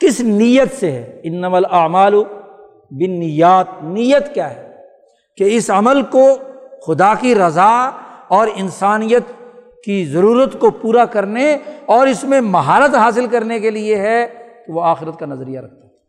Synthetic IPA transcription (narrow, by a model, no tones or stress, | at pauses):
kɪsnijət̪seɦɛ̰ɪnːəmalɐʕmaːl | bɪnːɪjaːt̪̚nijət̪kjaːɦɛː | keɪsɐməlkoxʊd̪akiɾɐzaɔːɾɪnsaːnijət̪ | kizɐɾuːɾət̪kopuːɾakɐɾneɔːɾɪsmẽmɐɦaːɾət̪ɦaːs̬ɪlkɐɾnekelieɦɛk̪oʋoaːxɪɾət̪̚kanɐzəɾijaɾɐk̚ʰt̪ḁɦɛː